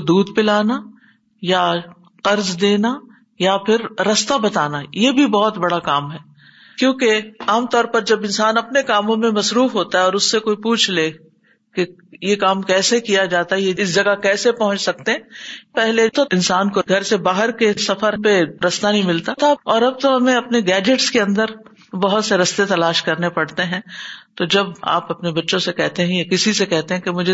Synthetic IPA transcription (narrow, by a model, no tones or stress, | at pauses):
d̪uːd̪pɪlaːna | ja | qɐɾzd̪eːna | japʰɪɾːɐst̪abɐt̪aːnajebʱibɔːt̪bɐɽakaːmɦɛː | kjõːkeaːmt̪ɔːɾpɐɾd͡ʒɐbɪ̃nsaːnɐpnekaːmõmẽmɐsɾuːfɦoːt̪aɦɛɔːɾʊsːekoːipuːt͡ʃʰleː | ke | jekaːmkɛːsekijad͡ʒaːt̪aɦɛjeɪsd͡ʒɐɡakɛːsepɐɦʊ̃t͡ʃsɐk̚t̪eɦɛ̃pɛɦlet̪ʰoɪ̃nsaːnkoɡʱɐɾsebaːɦəɾkesɐfəɾpeɾɐst̪anɐɦĩmɪlt̪at̪ʰaɔːɾɐb̚t̪oɦɐmẽɐpneɡɛːd͡ʒeʈskeɐ̃nd̪əɾ | bɐɦʊt̪seɾɐst̪et̪ɐlaːʃkɐɾnepɐɽt̪eɦɛ̃ːt̪od͡ʒɐba̰ːpɐpnebɐtːʃõsekɛɦt̪eɦɛ̃jakɪsisekɛɦt̪eɦɛ̃kemʊd͡ʒʱe